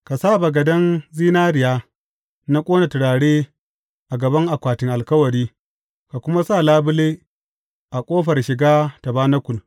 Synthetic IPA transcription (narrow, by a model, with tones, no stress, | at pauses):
ka˨saː˦˨ba˨ɡɐ˨dɐ˦nziː˦naː˦ɾɪ˨jaː˦ | na˦kʷʼoː˦na˨tɪ˨ɽaː˨ɽeː˦ | ʔa˨ɡɐ˨bɐ˦ŋʔa˨kʷaː˨tɪ˨ŋʔa˨lkɐ˦wɐ˨ɾiː˦ | ka˨kʷʊ˦ma˦saː˦˨laː˦bʊ˦leː˦ | ʔa˨kʷʼoː˦ɸɐ˨rʃɪ˨ɡaː˦ta˨baː˦na˦kʷʊ˨l